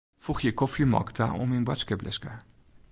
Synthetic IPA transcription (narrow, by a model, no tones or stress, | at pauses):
fuχjəkɔfimɔ̰ktʰa̰ʔɔ̰minbwa̰skəblɪskə